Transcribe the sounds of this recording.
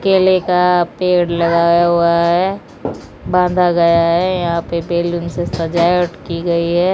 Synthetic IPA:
keːlekapeːɽlɐɡaːjaɦuaɦɛ | bãːnd̪ʱaɡɐjaɦɛjɐɦãpebeːlʊnsesɐd͡ʒaːjʊʈkiɡɐiɦɛː

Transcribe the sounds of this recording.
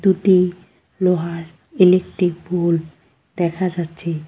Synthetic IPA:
d̪uʈi | loɦaɾ | elek̚ʈɾik̚bol | d̪̥ɛkʰad͡ʑatːɕʰe

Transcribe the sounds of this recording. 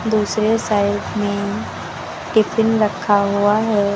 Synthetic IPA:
d̪usɾesajdme | ɖifʰɪnɾəkʰːaɦoaɦɛ

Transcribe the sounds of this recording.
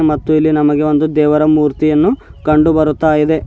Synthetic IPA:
mɐt̪ːuilːinɐmɐɡe̞o̞nd̪ud̪ɛːʋɐɾɐmuːɾt̪ijɐnːukɐɳɖubɐɾut̪ːaːjid̪e̞

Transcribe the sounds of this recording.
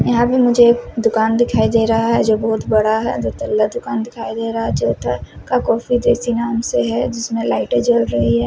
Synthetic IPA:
jɐɦãpemʊd͡ʒʱekd̪ʊkaːnd̪ɪkʰaːid̪eːɾɐɦaɦɛd͡ʒoːbɔːʊt̪bɐɽaaɦɛ̰d͡ʒoːt̪ɐlːad̪ʊkaːnd̪ɪkʰaːid̪eːɾɐɦad͡ʒot̪ʰakakɔːfid̪eːsinaːmseɦɛd͡ʒɪsmẽlaːɪʈed͡ʒɐlɾɐɦiɦɛː

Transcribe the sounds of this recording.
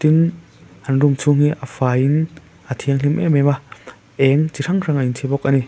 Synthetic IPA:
t̪in | ʔɐnrumt͡sʰuŋ̥iʔafaːjʔin | ʔat̪ʰiəŋlimʔɛ̰mɛma | ʔɛŋt͡siɾʰaŋraŋʔaintʰibɔk̚ʔani

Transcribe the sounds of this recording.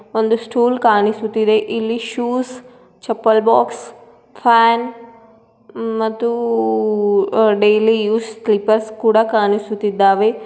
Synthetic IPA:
ʋɐ̃nd̪usʈuːlkaːnisut̪id̪eʔilːiʃuːs | t͡ʃɐpːəlbɔːks | fʰɛːn | mɐt̪u | ɖeːlijuːslipəɾskuɽakaːnisut̪id̪aːʋe

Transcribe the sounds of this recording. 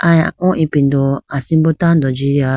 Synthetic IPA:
aaʔɔʔipindoasimbotan̩dɔd͡ʒiɾa

